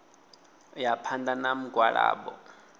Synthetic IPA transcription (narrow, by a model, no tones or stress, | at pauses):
japʰandanam̩ɡwaɺa̰ːɓɔ̰